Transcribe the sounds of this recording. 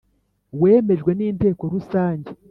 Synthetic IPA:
weːme̞ʒɡwe̞niːnte̞ːko̞ɾusaːɲɟe

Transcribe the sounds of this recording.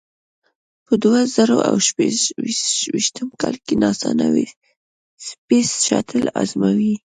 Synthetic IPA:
pəd̪wazaɾoʔawʃpe | wiʃt̪əmkɑlkenɑsɑnawi | spesʃɑt̪ʰəla̰zmawi

